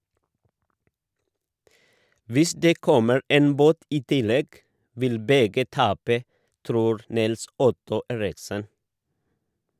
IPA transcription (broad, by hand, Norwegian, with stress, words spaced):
ˈʋɪs ˈdeː ˈkɔməɾ ˈeːn ˈboːt ˈiː ˈtɪˌlɛɡ ˈʋɪl ˈbɛɡə ˈtɑːpə ˈtɾuːɾ ˈnɪlˌsʊtʊ ˈeːɾɪksən